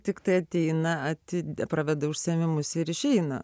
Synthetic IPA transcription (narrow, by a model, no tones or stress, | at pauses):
t̪ʲɪkt̪ɐɪɐt̪ʲɛɪnɐɐt̪ʲɪpɾɐʋʲɛd̪ɐʊʃʲsʲɛmʲɪmʊsɪɾɪʃʲɛɪnɐ̰